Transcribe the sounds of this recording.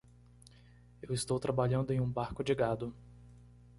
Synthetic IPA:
ewɪst̪owt̪ɾabaʎɐ̃nd̪ʊẽj̃ũbaɾkʊd͡ʒɪɡad̪ʊ

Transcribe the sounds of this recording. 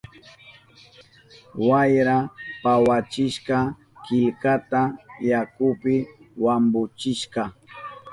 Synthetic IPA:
wajɾapawat͡ʃɪʃkɑ | kɪlkat̪ajakʊpɪwambʊt͡ʃɪʃkɑ

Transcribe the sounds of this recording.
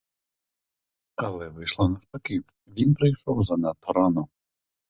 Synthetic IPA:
ɐlˠɛʋɪʃlˠɔnɐft̪ɐkɪw | ʋʲinpɾɪjʃɔwzɐnɐt̪ɔɾɔnɔ

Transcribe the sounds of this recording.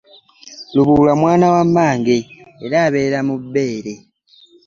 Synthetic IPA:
luβuːlamwaːnawamːaːŋɡeːɾaːβe̞ːɾamubːe̞ːɾe̞

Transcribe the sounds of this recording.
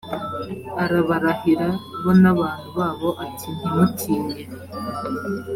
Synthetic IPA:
aɾaβaɾahiɾaβonaβaːn̥huβaːβo̞ʔatʰinimuciːɲe

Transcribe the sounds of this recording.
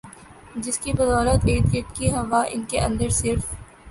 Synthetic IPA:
d͡ʒɪskibɐzɔːɾət̪eːʈ̪̚kɪʈkiɦɐʋaʔɪ̰nkeʔɐ̰̃nd̪əɾsɪɾf

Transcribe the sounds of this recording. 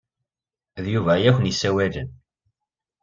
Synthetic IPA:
ðjuvæjæçʷənisæwælən

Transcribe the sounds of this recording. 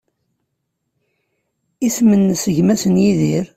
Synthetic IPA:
ismənːsəʝmæsənjiðiɾ

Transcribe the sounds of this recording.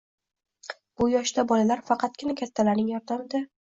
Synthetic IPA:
b̥ʊjɒʃd̪abɒlalaɾfɑqʰɑt̪̚ɡʲɪnakʲʰat̪ʰːalaɾnɪŋjɒɾd̪amɪd̪a

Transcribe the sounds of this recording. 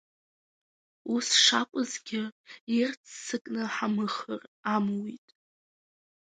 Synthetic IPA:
usʂakʷʼʊzɡʲɪirt͡sʰːɨkʼnɨħamɨχəramwitʼ

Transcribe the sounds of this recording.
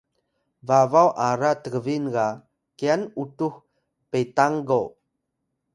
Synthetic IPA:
vavawʔaɾatəɡəvinɡa | kianutuh | petaŋɡo

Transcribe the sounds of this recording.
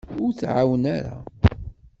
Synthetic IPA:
ʊɾθʕawənaɾa̰

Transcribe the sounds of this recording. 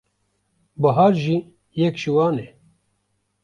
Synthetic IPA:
bɐɦaːɾʒi | jɛkʒiwɑːne

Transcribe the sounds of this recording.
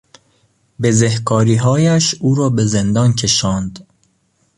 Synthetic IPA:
bezehkʰɒːɾiːɦɒːjæʃuːɾɒːbezend̪ɒːncʰe̞ʃɒːnd̪

